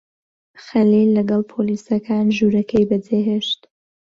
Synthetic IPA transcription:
xɐlilːɐɡɑlˠpʰolisɐkʰaːnʒuɾɐkʰɐjbɐd͡zeɦeʃt̪

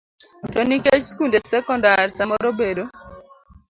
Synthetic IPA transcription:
tɔniket͡ʃskundesɛkɔndarsamɔɾobedo

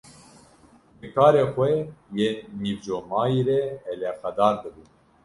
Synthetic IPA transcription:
bɨkʰɑːɾeːxʷɛjeːnivd͡ʒomɑːiɾɛɛlɛxɛd̪ɑːɾd̪ɨbuː

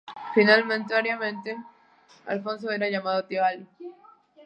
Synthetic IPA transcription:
finalmẽnt̪eaɾjamẽnt̪e | a̰lfons̬oeɾaʝamaðot̪iβali

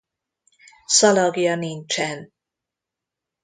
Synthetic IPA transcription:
sɒlɒɡiɒnint͡ʃɛn

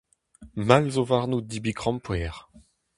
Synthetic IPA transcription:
malzovaʁnud̪ibiɡʁɑ̃mpwɛːʁ

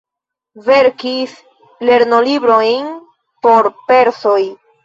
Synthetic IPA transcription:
ve̞ɾkis | le̞ɾno̞libɾo̞jn | po̞ɾpe̞ɾso̞j

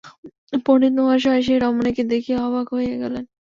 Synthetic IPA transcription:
ponit̪noaɾʃ̬ɔʃ̬eɾɔmoneked̪ekʰijeɔβakɦojeɡɛlen

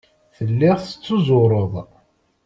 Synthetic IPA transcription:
θəlːɪʁˤə̥t͡sːʊzʊɾˤoðˤ

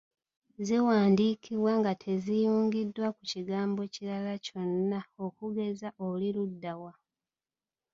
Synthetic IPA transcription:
ziwaːndiːkiβwaŋɡatʰe̞zijuːŋɡidwakuciɡaːmbo̞ciɾalaco̞nːao̞kuɡe̞zaʔoliludːawa

